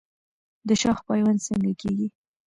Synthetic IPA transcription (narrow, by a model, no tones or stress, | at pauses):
d̪əʃɑxpɑjwansəŋɡakeɡi